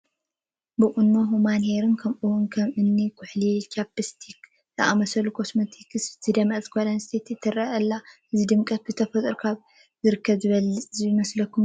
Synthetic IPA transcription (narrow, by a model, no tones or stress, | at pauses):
bɨʔʼʊnːoɦumanheɾɨnkʰɐmʔuwunkʰɐmʔɨnːikʰʊħlit͡ʃʰapːɨst̪ʰik | t̪ʰɐʔamɐsɐlukʰo̞smot̪ʰikɨsz̥ɨd̪ɐmɐzkʰolɐnst̪ʰet̪ʰɨt̪ʰːɨɾɐʔɐlːaʔɨzid̪ɨmkʼɐt̪̚bɨzɨt̪ʰɐfɐt̪ʼɨɾkʰaβ | zɨɾɨkʰːɐβzɨβɐlɨt͡sʼzijimɐslɐkʰːum